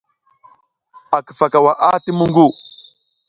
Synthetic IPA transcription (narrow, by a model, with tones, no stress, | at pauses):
a˨kə̥˨fa˨ka˨wa˨ʔa˦ti˦mu˦ŋɡu˦˨